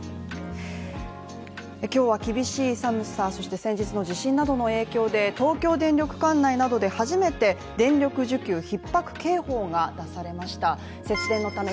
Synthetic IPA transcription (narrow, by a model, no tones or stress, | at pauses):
ekʲo̞ːβ̞akʲibʲiɕiːsamɯ̟saːso̞ɕi̥t̪e̞sẽ̞ɲ̟d͡ʑit͡sɨno̞ʑiɕĩnːad̪o̞no̞e̞ːkʲo̞ːd̪e̞t̪o̞ːkʲo̞ːd̪ẽ̞ɲɾʲo̞kɯ̟̥kãnːainad̪o̞d̪e̞haʑime̞t̪e̞ | d̪ẽ̞ɲɾʲokɯ̟ʑɨkʲɨːçipːakɯ̟̥ke̞ːho̞ːŋad̪̥asaɾe̞maɕi̥t̪a | se̞t͡sɨɾẽ̞nːot̪ame